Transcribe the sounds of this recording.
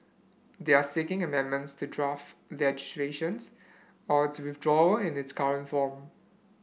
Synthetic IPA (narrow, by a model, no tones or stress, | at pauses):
d̪easekɪ̃ŋəmɛ̃nmə̃ntstudɹaftlɛd͡ʒɪsleʃə̃ns | ɔtuwɪθdɹɔəɪ̃nɪtskaɹə̃ntfɔ̃m